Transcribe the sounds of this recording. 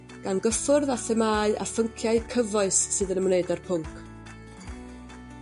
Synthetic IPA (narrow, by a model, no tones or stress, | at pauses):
ɡ̥anɡəfʊrðaθɛmaːɨʔa̰fəŋkʰjaɨkʰəvɔɨssɨːðənəmneɨdarpʰʊŋkʰ